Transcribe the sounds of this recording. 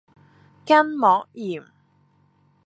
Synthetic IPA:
kɐ˥nmɔː˨˥k̚jiː˨˩m

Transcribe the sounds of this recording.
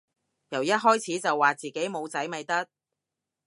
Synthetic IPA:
jɐ˨˩wjɐ˥t̚ɦɔː˥jt͡sʰiː˨˥t͡sɐ˨wːaː˨t͡siː˨˩ke˨˥jmo˨˧wt͡sɐ˨˥jmɐ˨jt̪ɐ˥k̚

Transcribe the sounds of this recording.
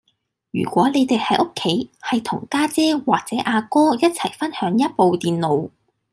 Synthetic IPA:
jy̰ː˨˩kʷɔː˨˥le˨˧jt̪e˨jhɐ˨jʔʊ˥kʰːe˨˥jhɐ˨jt̪ʰʊ˨˩ŋkaː˥t͡sɛː˥waː˨˩k̚t͡sɛː˨˥ʔaː˧kɔː˥jɐ˥t̚t͡sʰɐ̰˨˩jfɐ˥nhœː˨˥ŋjɐ˥t̚po˨˧wt̪iː˨nlo˨˧w

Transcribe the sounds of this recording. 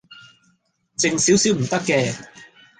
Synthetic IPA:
t͡sɪ˨ŋsiː˨˥wsiː˨˥wm̩˨˩t̪ɐ˥kːɛː˧

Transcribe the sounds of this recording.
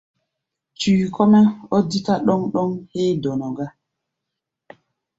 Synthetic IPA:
t͡ʃiːkʰɔ˦mɛ˦o˦dːitaɗɔ˦nɗɔ˦nhɛː˦dɔ˨nɔ˨ɡa˦

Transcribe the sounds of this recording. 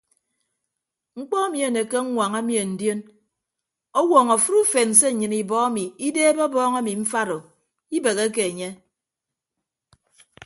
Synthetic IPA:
ŋ͡m̩˦k͡pɔ˦a˦mi˨e˨ne˨ke˦ŋ̩˦ŋʷa˨ŋa˦mi˨e˨n̩˨djo˦n | ɔ˦wɔː˨ŋɔ˨fu˦ɾu˦fe˨n̩˨se˦˨ɲɨ˨ni˨bɔ˦a˦mi˨i˦deː˦bɔ˦bɔː˦ŋa˦mi˨ɱ̩˦fa˦ɾo˨ | i˦be˨ɣe˦k̬e˨e˨ɲe˦

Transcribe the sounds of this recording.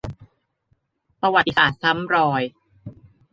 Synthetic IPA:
pɾa˧wa˨˩t̪ːi˧saː˨˩t̪̚sa˦˥mɾɔː˧j

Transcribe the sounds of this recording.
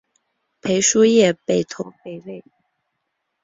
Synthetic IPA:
pʰe˧˥ɪʂu˥jɛ˥˧pe˥˩ɪt̪ʰʊ˧˥ŋpe˨˩ɪwe˥˩ɪ

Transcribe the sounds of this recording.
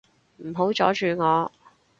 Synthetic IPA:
m̩˨˩ɦo˨˥wt͡ʃɔ̰ː˨˥t͡ʃyː˨ŋɔː˨˧

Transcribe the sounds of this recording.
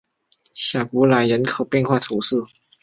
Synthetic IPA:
ɕja˨˩pu˧˥la˧˥ɪɻə˨˧˥nkʰo˨˩ʊpjɛ˥˧˨nxwa˥˩t̪ʰu˨˧˥s̩˥˩

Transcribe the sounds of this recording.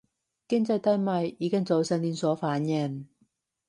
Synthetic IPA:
kɪ˥ŋt͡sɐ˧jt̪ɐ˥jmɐ˨˧jiː˨˧kɪ˥ŋt͡so˨˧wsɛ˧niː˧nsɔː˨˥faː˨˥njɛ˧˩ŋ

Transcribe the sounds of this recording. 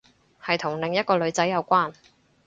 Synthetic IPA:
hɐ˨jt̪ʰʊ˨˩ŋlɪ˨ŋjɐ˥t̚kɔː˧lɵ˨˧ɥt͡sɐ˨˥jːɐ˨˧wkʷaː˥n

